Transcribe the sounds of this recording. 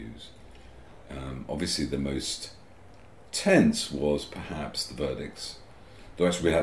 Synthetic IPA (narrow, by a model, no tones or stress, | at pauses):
ʉz̥ | ʌ̃ɑ̰bviəsliðəməʊs | tʰɛ̃nswʌz̥pʰə˞hæpsðəvɜ˞ɾɪk̚ts | ðoʊæk̚t͡ʃʉliwiə